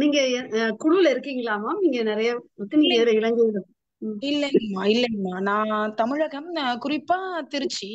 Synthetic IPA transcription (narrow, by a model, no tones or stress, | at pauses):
niːŋɡɐkʊɽɯlɪɾɯkːiːŋɡɐɭaːmaːniːŋɡɐnɪɾɐjɐɐt̪ːɯniːŋɐɛðɪlɐɪɭɐŋɡɯʋɯðɯ | mɪlːɐnmːaːɪlːɐɯmːaːnãːt̪ɐmɪɻɐɣɐmkʊɾɪpːaːt̪ɪɾɯt͡ʃːi